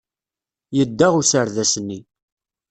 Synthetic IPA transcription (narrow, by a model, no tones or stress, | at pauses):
jəd̪ːæʁusəɾðæsənːi